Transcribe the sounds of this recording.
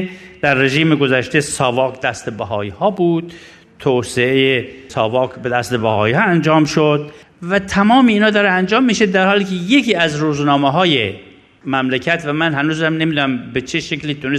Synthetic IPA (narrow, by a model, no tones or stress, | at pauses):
d̪̥æɾːeʒiːmeɡozæʃt̪esɒːvɒːkd̪æst̪ebæɦɒ̰ːiːhɒːbuːd̪̥ | t̪ʰoːseejesɒːvɒːkbed̪æst̪ebæhɒ̰ːiːhɒːænd͡ʒɒːmʃod̪̥̚ | væt̪ʰæmɒːmeiːnhɒːd̪ɒːɾeænd͡ʒɒːmːiːʃed̪æɾhɒːliːkʰejekiːæzɾuːznɒːmeɦɒːje | mæmlekʰæt̪væmænhænuːzhæmnemid̪næmbet͡ʃʰeʃekliːt̪ʰunes